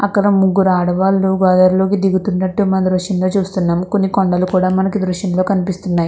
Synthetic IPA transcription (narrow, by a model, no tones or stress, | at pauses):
ɐ̰kːɐɽɐmuɡːuɾaːɽɐʋaːlːuɡaːd̪ɐɾlo̞ːkid̪iɡut̪unːɐʈːumɐnɐd̪ɾuʂjɐmlo̞ːt͡ʃuːst̪unːaːmko̞nːikoɳɖɐlukuːɽaːmɐnɐkid̪ɾuʃjɐmlo̞ːkɐnipist̪unːaːji